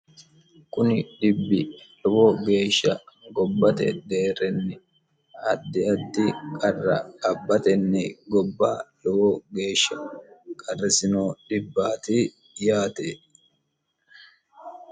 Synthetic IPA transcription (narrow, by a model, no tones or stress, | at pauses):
kʊnɪᶑɪbːɪlɔwoːɡe̞ːʃːɐɡɔbːɐt̪ɛ̰d̪eːɾɛnːɪ | ɐd̪ːɪɐd̪ːɪkʼɐrːɐ̰ɐbːɐt̪ɛnːɪɡɔbːaːlɔwoːɡe̞ːʃːɐkʼɐrːɛsɪnoːᶑɪbːaːt̪ɪ | jaːt̪eː